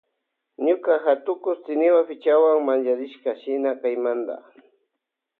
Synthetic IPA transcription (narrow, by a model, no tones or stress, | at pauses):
ɲʊkaxat̪ʊkʊst̪ɪnɪwapɪt͡ʃawaŋmand͡ʒaɾɪʃkaʃɪnakajmand̪a̰